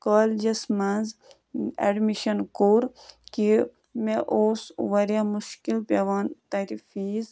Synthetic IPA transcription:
kaːld͡ʒɐsmanz | ḛɖmiʃɐnkuːɾki | meʔoːsʋɐɾjaːmuʃkilpɐʋaːnt̪ɐɾifiːz

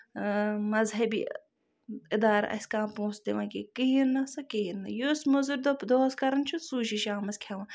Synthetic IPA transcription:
mɐzɦɐbḭ | ɪd̪aːɾ̰ʔɐ̰sʲkãːpõːsd̪iʋɐ̃kikiɦiɾnɐsɐkiiɾnɐjosmɐzuɾd̪opd̪oːskɐɾɐnt͡ʃʰusuːʃiʃaːmɐsʲkʲʰɐʋɐ̃

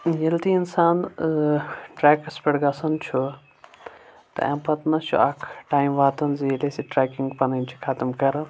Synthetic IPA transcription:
jɐlt̪iɪnsaːn | ʈɾɛːkspɐɽɡaːsɐnt͡ʃʰu | t̪ɐ̰ɛ̰̃mpɐt̪nɐt͡ʃʰṵaːkʰʈaːjmʋaːt̪ɐnzilesiʈɾɛːkiŋɡpɐnɐnt͡ʃʰi̥kʰɐt̪mkɐɾ

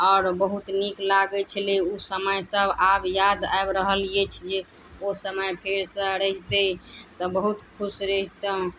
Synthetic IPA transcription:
ɔːɾbəɦut̪niklaɡɛt͡ʃʰəleusəməjsəbabjad̪a̰bɾəɦəlijet͡ʃʰd͡ʒe | osəməjpʰeɾsə̃ɾəɦt̪ət̪ɔbəɦut̪kʰusɾəɦit̪ə̃

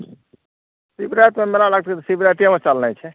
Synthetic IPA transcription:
sibɾajt̪memeɾalaɡ̚t̪kit̪ɔsibɾaʈijamet͡ʃalnɛt͡ʃʰɛ

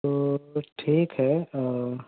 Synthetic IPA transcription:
t̪oʈʰiːkɦɛː

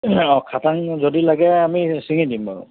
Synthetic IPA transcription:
ɔkʰataŋzodilaɡɛamisiŋidimaɹṵ

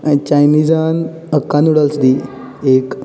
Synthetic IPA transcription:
t͡ɕajnid͡zan | əkːanuɽalsd̪i | ek

